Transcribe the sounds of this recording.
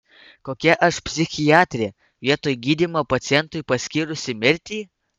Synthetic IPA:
koːkʲɛʔɐʃpʲsʲɪxʲɪjɑːt̪ʲɾʲe | ʋʲiɛt̪oːjɡʲiːd̪ʲiːmopɐt̪sʲɪjɛnt̪ʊɪjpɐsʲkʲiːɾʊsʲɪmʲɪɾʲt̪ʲiː

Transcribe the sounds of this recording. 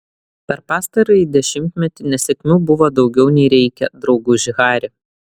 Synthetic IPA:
pʲɛɾpɑːst̪ɐɾɐɪid̪ʲɛʃʲɪmʲt̪ʲmʲɛt̪ʲɪnʲɛsʲɛkʲmʲuːbʊʋod̪ɒʊɡʲɛʊnʲɛɪɾʲɛɪkʲɛd̪ɾɒʊɡuːʒʲɪɣɑːɾʲɪ

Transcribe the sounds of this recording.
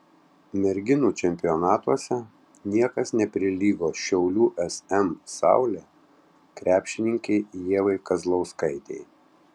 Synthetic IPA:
mʲɛɾʲɡʲɪnuːt͡ʃʲɛmʲpʲɪjɔnɑːt̪uɔsʲɛ | nʲiɛkɐsnʲɛpʲɾʲɪlʲiːɡoːʃʲɛʊlʲuːʔɛsɛmsɑ̰ˑʊlʲeː | kɾʲʔæːpʲʃʲɪnʲɪŋʲkʲɛɪjiɛʋɐɪkɐzlˠɐʊskɐɪt̪ʲɛ̰ɪ

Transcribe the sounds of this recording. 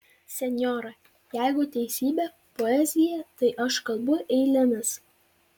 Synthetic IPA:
sʲɛnʲjɔːɾɐ | jæɪɡʊt̪ʲɛɪsʲiːbʲɛ | pɔɛzʲɪjɛt̪ɐɪʔɐʃkɐlˠbʊʔɛɪlʲɪnɐs

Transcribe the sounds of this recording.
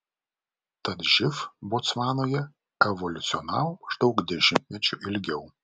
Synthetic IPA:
t̪ɐt̪ʒʲɪfbot̪smɑːnoːjɛ | ɛʋɔlʲʊt̪sʲɪɔnɑ̰wmɐʒd̪ɒʊkd̪ʲɛʃʲɪmʲt̪ʲmʲɛt͡ʃʲʊʔɪlʲɡʲɛʊ

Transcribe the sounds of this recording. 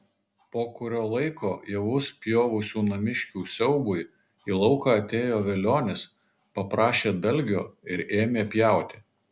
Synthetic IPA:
poːkʊɾʲoːlˠɐɪkoːjɛʋʊspʲjoːʋʊsʲuːnɐmʲɪʃʲkʲuːsʲɛʊbʊɪ | iːlˠɒʊkɑːɐt̪ʲeːjoːʋʲɛlʲoːnʲɪs | pɐpɾɑːʃʲeːd̪ɐlʲɡʲoːɪɾeːmʲeːpʲjæˑʊt̪ʲɪ̥

